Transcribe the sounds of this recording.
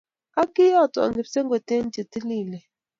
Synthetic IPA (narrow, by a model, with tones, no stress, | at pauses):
a˦ki˦jɔ˦˨tɔ̰˨ŋɡe˨pse˦ŋɡwe˨tʼe˦n˦d͡ʒʱe˨tʼi˦liː˦˨lɛ˨